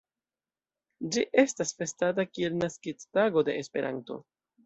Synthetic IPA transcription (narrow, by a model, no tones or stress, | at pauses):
d͡ʒiʔe̞stasfe̞stat̬akie̞lnaskit͡staɡo̞de̞espe̞ɾʔa̰nto̞̰